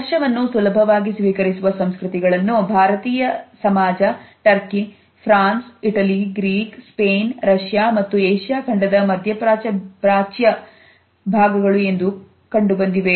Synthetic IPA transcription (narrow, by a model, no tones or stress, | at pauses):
ɐʂɐʋɐnːusulɐbʱɐʋaːɡisʋiːkɐɾisuʋɐsɐmskɾut̪iɡɐɭɐnːubʱaːɾɐt̪iːjɐsɐmaːd͡ʒɐʈɐɾki | pʰɾaːnsiʈɐliɡɾiːkspeːnɾɐʂjaːmɐt̪ːuejʂjaːkʰɐɳɖɐd̪ɐmɐd̪ʱjɐpɾaːt͡ʃɐpɾaːt͡ʃjɐ | bʱaːɡɐɡɐɭue̞nd̪u | kɐɳɖubɐnd̪iʋe